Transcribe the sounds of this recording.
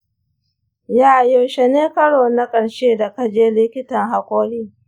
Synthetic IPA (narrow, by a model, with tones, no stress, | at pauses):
jaː˦ʔjo˨ʃe˨neː˦kɐ˦ɽoː˨na˦kʼɐ˨ɽʃeː˦da˨ka˦d͡ʒeː˦lɪ˦kʲɪ˦tɐ˨ŋɦa˨kʷʼoː˦ɽiː˦